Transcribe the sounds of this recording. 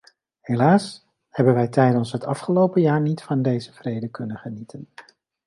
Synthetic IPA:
helaːs | hɛbənʋɛjtɛjdənsɦətɑfχəlowpəjaːɹnitfɑndejzəv̥rejdəkɵnəχənitʰən

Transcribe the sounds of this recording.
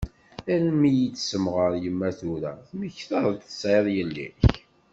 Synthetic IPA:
ænmijit͡sːsəmʁəɾˤjəmːæθuɾæ̰θməçθəðˤt̪θə̥sʕeðˤjəlːḭç

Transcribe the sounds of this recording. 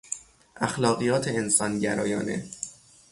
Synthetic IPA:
ʔæxlɒːɣijɒːt̪ʰeensɒːnɟæɾɒːjɒːnḛ

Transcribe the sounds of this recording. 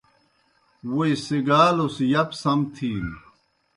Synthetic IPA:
wuisiɡaːlosjɐpsɐmt̪ʰiː

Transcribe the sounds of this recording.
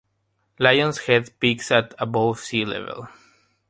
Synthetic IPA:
lajɔ̃nshɛdpiksat̪abosilɛ̰vɛ̰lˠ

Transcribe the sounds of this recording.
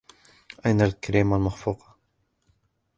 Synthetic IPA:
ʔajnalkaɾiːmalmaxfuːqɑ̥

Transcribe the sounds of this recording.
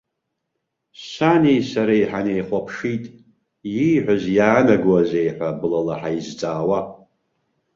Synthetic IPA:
sanijsaɾaiħanejχʷapʰʂitʼ | jijħᶣʷazjaːnaɡwaze̞jħʷᶣabɨlalaħaizt͡sʼaːwa

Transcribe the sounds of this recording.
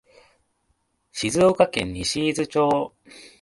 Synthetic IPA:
ɕizɨokakẽ̞̰ɲ̟ːiɕiːzɨt͡ɕoː

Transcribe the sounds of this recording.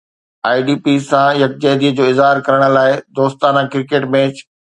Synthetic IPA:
aːiɖiːpisãjɐk̚d͡ʑɛːd̪id͡ʑoːɪzɦaːɾkɐɾəɽ̃ə̆laːɪd̪oːst̪aːnãkɪɾkeːʈmẽːt͡ɕ

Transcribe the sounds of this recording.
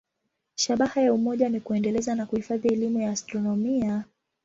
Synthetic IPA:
ʃaɓahajaumɔʄanikuɛndɛlɛzanakuhifaðiɛlimujaːstɾɔnɔmia

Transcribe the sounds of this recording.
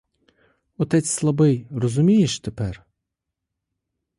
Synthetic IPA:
ɔt̪ɛt͡s̪ʲslˠɐbɪjɾɔzʊmʲijɪʃt̪ɛpɛɾ

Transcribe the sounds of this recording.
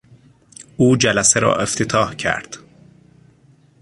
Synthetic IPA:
uːd͡ʒælæseɾɒ̰ːʔeft̪ʰet̪ʰɒːhcʰæ̰ɾd̪̥

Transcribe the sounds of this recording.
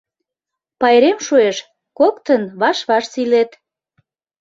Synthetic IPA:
pɑjɾemʃueʃ | kok̚t̪ənβɑʃβɑʃsilet̪

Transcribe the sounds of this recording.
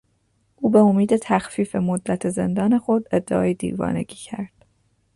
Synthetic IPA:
ʔuːbe̞omiːd̪e̞t̪ʰæxfiːfe̞mod̪ːæt̪ʰe̞ze̞̰nd̪ɒːne̞xo̞d̪e̞d̪ːeʔɒ̰ːjed̪ḭːvɒ̰ːne̞̰ɟiːcʰæɾd̪̥

